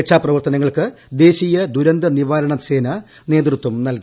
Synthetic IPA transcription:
ʈʂaːprɐʋɐrt̪ɐnɐŋːɐɭkɨ | d̪e̞ːɕijɐd̪uɾɐnd̪ɐniʋaːɾɐɳɐse̞ːnɐ | ne̞ːd̪rut̪ːumnɐlki

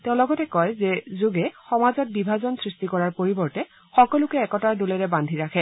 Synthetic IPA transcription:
tɛʊ̃lɔɡɔtɛkɔjzɛzuɡɛxɔmazɔt̚bibʱazɔnsɹistikɔɹaɹpoɹibɔɹtɛ | xɔkɔlʊkɛːkɔtaɹdulɛɹɛbandʱiɹakʰɛ

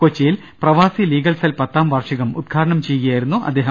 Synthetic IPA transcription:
ot͡ɕːɐjil | prɐʋaːsiliːɡɐlsɐlpɐt̪ːaːmʋɐrʂɐɣɐmud̪̚kʰaːɾɐɳɐmt͡ɕe̞jujaːjiɾunːuʔɐ̰d̪ːe̞ːɦɐ

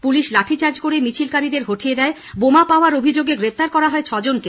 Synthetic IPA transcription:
puliʃlaʈʰit͡ɕaɾd͡ʑkoɾemit͡ɕʰilkaɾid̪eɾɦoʈʰijed̪ɛe | bomapaoaɾobʱid͡ʑoɡeɡɾep̚ʰt̪aɾkɔɾaɦɔet͡ɕʰɔd͡ʑonke

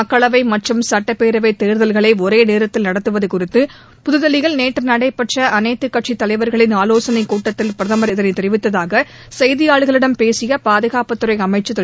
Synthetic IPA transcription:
ɐkːɐɭɐʋɐɪmɐʈrɯmsɐʈːɐpeːɾɐʋɐɪt̪ːeːɾðɐlɣɐɭɐɪɔɾeːneːɾɐt̪ːɪlnɐɽɐt̪ːɯʋɐðɯkʊrɪt̪ːɯ | pʊðɯðɐlɪɣɐɭneːʈːrɯnɐɽɐɪpɐʈrɐʔɐnɐɪt̪ːɯkːɐʈ̚t͡ʃit̪ːɐlɐɪʋɐɾɣɐɭɪnaːloːsɐnɐɪkuːʈːɐt̪ːɪlpɪɾɐðɐmɐɾɪðɐnɐɪt̪ːɛɾɪʋɪt̪ːɐðaːɣɐ | sɐjðɪjaːɭɯɣɐɭɪɽɐmpeːsɪjɐpaːðɐɣaːpɐt̪ːɯɾɐɪɐmɐɪt͡ʃːɐt̪ː

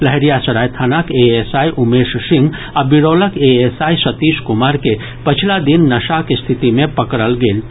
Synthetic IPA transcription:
ləɦɛɾijasəɽajt̪ʰanakeesajʔumessĩŋɡ | abiɽoləkeesaisət̪iskumaɾke | pət͡ʃʰilad̪inːəʃakest̪ʰit̪imepəkɾəlɡeːl

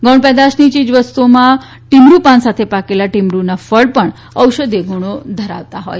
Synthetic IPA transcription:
ɡɔ̃ɳɖpɛd̪aɕnit͡ɕiːd͡zʋəst̪uma | ʈimɾupansat̪ʰepakelaʈimɾunafəɭpəɳ | əwɕəd̪eɡʱuɳ̃od̪ʱəɾa̰ʋt̪aɦo̰j

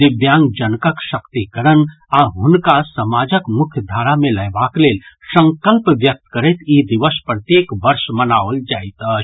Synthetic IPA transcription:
d̪ibjãŋɡd͡ʒənkəkʃəkt̪ikəɾən | aɦʊnkasəmad͡ʒəkmʊkʰjəd̪ʱaɾamẽləjbaklel | sə̃ŋkəlpʋjək̚t̪kəɾɛt̪id̪iʋəspɾət̪jekʋəɾʃmənaʋəld͡ʒajt̪ə

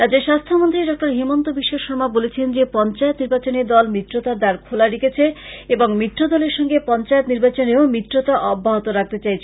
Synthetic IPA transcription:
ɾad͡ʑeɾʃast̪ʰomont̪ɾiɖɔk̚ʈaɾɦimont̪obiʃːoʃɔɾmabolet͡ɕʰend͡ʑepɔnt͡ɕaet̪niɾbat͡ɕoneɾd̪ɔlmit̪ːɾot̪aɾd̪aɾkʰolaɾiket͡ɕʰeeboŋmit̪ːɾod̪ɔleɾʃɔŋɡepɔnt͡ɕaet̪niɾbat͡ɕoneomit̪ːɾot̪aʔɔbʱːaɦot̪oɾak̚t̪et͡ɕajt͡ɕʰ

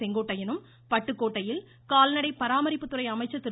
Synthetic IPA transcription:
ɛŋɡoːʈːɐjɪnɯm | pɐʈːɯkːoːʈːɐjɪl | kaːlnɐɽɐɪpɐɾaːmɐɾɪpːɯt̪ːɯɾɐɪɐmɐɪt͡ʃːɐt̪ːɪ

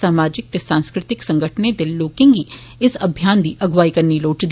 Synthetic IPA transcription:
aːmaːd͡ʒɪk̚t̪esãːnskɾɪt̪ɪksɐ̃ŋɡəʈʰned̪ɪlːoːkɪ̃ŋɡi | ɪsɐbʱjaːnd̪iʔɐɡʋaːikɐɾniloːʈd̪

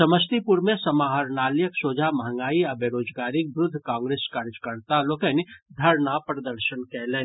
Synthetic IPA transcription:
sɐməst̪ipuɾmẽsɐmaːɦaɾnaːljəksoːd͡ʒamɐɦə̃ŋɡaːiɐbeɾoːd͡ʒɡaːɾɪk̚bɾʊd̪ʱːkãːŋɡɾeːskaɾd͡ʒkəɾt̪aloːkɛnid̪ʱɐɾnapɾɐd̪əɾʃənkɛɦleː

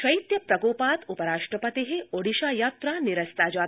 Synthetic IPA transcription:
ʃɐit̪jɐpɾɐɡoːpaːt̪upəɾaːʂʈɾəpɐt̪eɦeoɽiʃaːjaːt̪ɾaniɾɐst̪aːd͡ʒaː

